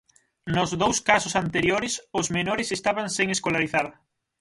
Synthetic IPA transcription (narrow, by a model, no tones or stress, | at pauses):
nʊzðowskasʊsant̪eɾjoɾɪsʊzmenoɾɪsest̪aβaŋseŋeskolaɾiθað